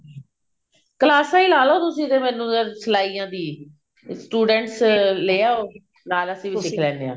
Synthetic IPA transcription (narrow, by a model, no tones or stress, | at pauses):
kəlaːsãːiːlaːloːt̪ʊsĩːt̪eːmɛːnũːsəlaːiːãːd̪iː | sʈuːɖɛ̃ːɳʈsleːaːoː | naːləsĩːʋisɪkʰlɛ̃ːnd̪eã̰ː